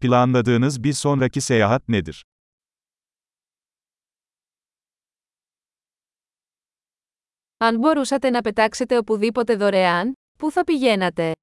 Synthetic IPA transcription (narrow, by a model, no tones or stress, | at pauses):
pilˠanlˠad̪ɯːnɯzbiɾso̞nɾacise̞jaːɦat̪ne̞d̪iɾ̥ | ɐnbo̞ɾusɐt̪e̞nɐpe̞t̪ɐkse̞t̪e̞o̞puðipo̞t̪e̞ðo̞ɾe̞ɐn | puθɐpiʝe̞nɐt̪e̞